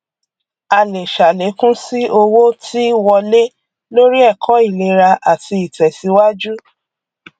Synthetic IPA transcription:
a˨le˨ʃa˨le˨˦kũ˦si˦o˧wo˦tʰi˦wɔ˧le˦ | lo˦ɾi˦ɛ˦˨kʰɔ˨˦i˦˨le˧ɾa˧ʔa˨ti˧i˨tɛ˨si˧˦wa˦d͡ʒu˦

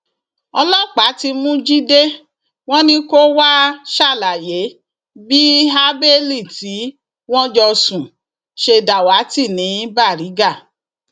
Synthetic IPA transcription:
ɔ˧lɔ˦˨k͡pa˨˦ti˧mũ˦d͡ʒi˦de˦ | w̃ɔ̃˦nĩ˦ko˦wa˦ʃa˦˨la˨je˨˦ | bi˦ɦa˦be˦li˦˨ti˨˦ | w̃ɔ̃˦d͡ʒɔ˧sũ˨ | ʃe˧da˨wa˨˦ti˦˨nĩ˨˦ĩ˦ba˦˨ɾi˨˦ɡa˦˨

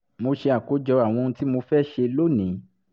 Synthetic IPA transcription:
mo˧ʃe˧a˨ko˨˦d͡ʒɔ˧a˨w̃ɔ̃˧ñ̩˧ti˦mo˧fɛ˦ʃe˧lo˦˨nĩ˨˦

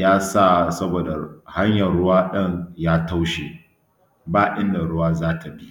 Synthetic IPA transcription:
jaː˦sa˦˨sɐ˦boː˨da˨ha˦ɲjɐ˨rːʊ˦waː˦ɗɐ˦˨ɲjaː˦ta˦wʃe˨ | baː˦ʔɪ˦nda˨ɽʊ˦waː˦zaː˦tʰa˨bi˦

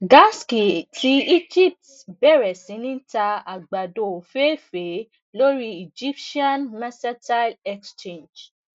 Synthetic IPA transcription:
ɡa˦ski˨tʰi˨˦i˦d͡ʒi˦˨p̚t | bɛ˦˨ɾɛ˨sĩ˨˦nĩ˦ta˧a˨ɡ͡ba˨do˨fe˦fe˨˦ | lo˦ɾi˦i˨d͡ʒi˦p̚ʃi˦ã˦nma˦sɛ˦ta˦lɛ˦˧kst͡ʃẽ˦˨nd͡ʒ

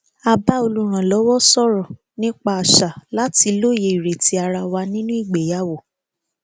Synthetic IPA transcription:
a˧ba˦o˧lu˦ɾ̃ã˨lɔ˨˦wɔ˦sɔ˦ɾɔ˨ | nĩ˦k͡pa˧a˨ʃa˨la˨˦ti˧lo˦˨je˧˨i˨ɾe˨ti˧˦a˧ɾa˧wa˧nĩ˦nũ˦i˦˨ɡ͡be˨ja˦wo˨

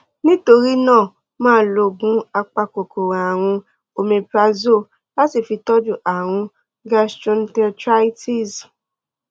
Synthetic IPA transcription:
nĩ˦to˧ɾi˦nãː˦˨ | mãː˦lo˧ɡũ˨˦a˧k͡pa˧ko˨ko˨ɾã˨a˨w̃ũ˧ | o˧mẽ˧pɾa˦zo˦˨ | la˦si˦˨fi˧tɔ˦d͡ʒu˦˨ʔa˨w̃ũ˧ | ɡa˦stɔ̃˦ntɛ˦tɾa˦i˦tʰi˦˨z

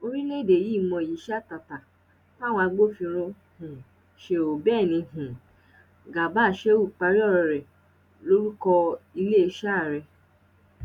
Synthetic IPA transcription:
o˧ɾi˦le˦˨de˨ji˦˨mɔ̃˧˨ji˨˦ʃa˦˨ta˧˨ta˨ | ta˦˨w̃ɔ̃˧a˧ɡ͡bo˦fĩ˧ɾ̃õ˧ | hũ˨ | ʃe˧o˨bɛː˦˨nĩ˧ɦũ˨ | ɡa˨ba˦˨ʃe˦u˦˨k͡pa˧ɾi˦ɔ˦˨ɾɔ˧ɾɛ˨ | lo˦ɾu˦kɔ˧i˧le˦e˧ʃa˦˨ɾɛ˧

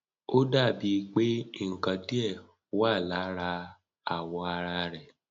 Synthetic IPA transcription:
o˦da˦˨bi˧˦k͡pe˦i˦˨ŋ̩˨kã˨di˦ɛ˦˨˦ | wa˦˨la˨˦ɾa˧ | a˨wɔ̃˧a˧ɾa˧ɾɛ˨

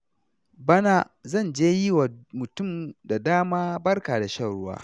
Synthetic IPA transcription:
bɐ˦na˦ | zɐ˦˨nd͡ʒeː˦ji˦wa˨mʊ˨tʊ˦˨mda˨daː˦maː˦bɐ˦rkaː˨da˨ʃɐ˦˨ɽʊ˦wa̰ː˦

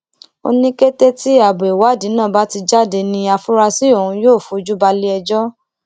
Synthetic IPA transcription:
o̰˧nĩ˦ke˦te˦ti˦a˦˨bo˨e˨wa˨˦˨di˨˦nã˦˨ba˦ti˧d͡ʒa˦˨de˧nĩ˧a˧fu˦ɾa˧si˦o˦˨ũ˧joː˦˨fu˨˧d͡ʒu˦ba˧le˦ɛ˧d͡ʒɔ˦

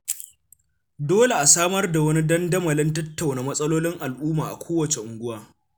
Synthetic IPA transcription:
doː˦le˨ʔa˨saː˦mɐ˦rda˨wɐ˦ni˦dɐ˦ndɐ˦mɐ˨lɪ˦ntɐ˦tːa˨wnaː˨mɐ˦sʼɐ˦loː˦lɪ˦ŋʔa˨lʔuː˦maː˨ʔa̰˨kʷʰoː˦wɐ˨t͡ʃe˨ʔʊ˨ŋɡʷʊ˦waː˦

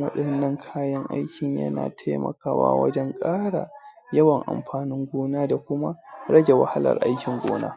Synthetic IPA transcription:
wɐ̰˦ɗɐ˨nːɐ˦ŋkʰaː˦jɐ˦ŋʔa̰˦jkʲɪ˨ɲjɐ̰˦na̰ː˨tʰa˦mɐ̰˨kaː˦wa̰ː˦wɐ̰˦d͡ʒɛ˦ŋkʼaː˦ɽa˨ | jɐ˦wɐ˨ŋʔa˨mɸaː˨nɪ˦ŋɡʷoː˦naː˦da˨kʷʊ˦ma˦ɽɐ˦d͡ʒe˨wa˨ha˦lɐ̰˨rʔa˦jkʲɪ˨ŋɡʷoː˦na̰ː˦

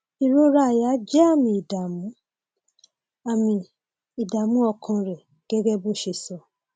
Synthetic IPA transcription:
i˨ɾo˦ɾa˦˨ja˨˦d͡ʒɛ˦a˦˨mĩ˨i˨da˨mũ˨˦ | a˨mĩ˨ | i˨da˨mũ˦ɔ˧˨kʰɔ̃˧ɾɛ˨ | ɡ̥ɛ˦ɡɛ˦bo˦ʃe˨sɔ˨

